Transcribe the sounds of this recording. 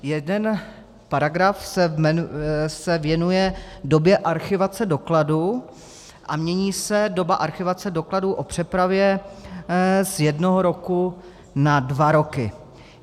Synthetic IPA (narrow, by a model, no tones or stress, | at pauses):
jɛdɛn | paɾaɡɾafsɛɛsɛvjɛnujɛdo̞bjɛʔaɾxɪvat͡sɛdo̞kladu | ʔamɲɛɲiːsɛdo̞baʔaɾxɪvat͡sɛdo̞kladuʔo̞pr̝̥ɛpɾavjɛ | zjɛdnoɦoɾo̞ku | nadvaɾo̞kɪ̰